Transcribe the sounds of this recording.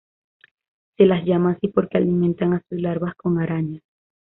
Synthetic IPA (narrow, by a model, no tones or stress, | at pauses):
se̞lazʝamaːsipo̞ɾke̞alimẽ̞nt̪aŋasuslaɾβasko̞ŋaɾaɲas